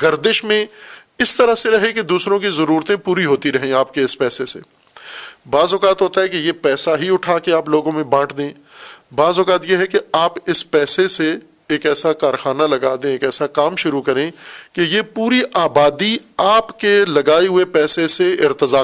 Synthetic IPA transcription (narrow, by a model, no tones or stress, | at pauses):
ɡɐɾd̪ɪʃmẽɪst̪ɐɾəseɾɐɦeked̪uːsɾõk̬izɐɾuːɾt̪ẽpuːɾiɦoːt̪iɾɐɦẽaːp̚keɪspɛːsesḛː | baːzʊkaːt̪ɦoːt̪aɦɛkejepɛːsaɦiʊʈʰaːkeaːploːɡõmẽbãːʈʰd̪ẽː | baːzʊkaːt̪jeɦɛkeaːpɪspɛːsese | eːkɛːsakaːɾxaːnalɐɡaːd̪ẽeːkɛːsakaːmʃʊɾukɐɾẽkejepuːɾiʔaːbaːd̪iaːpkelɐɡaːeɦʊepɛːseseɪɾt̪əzaː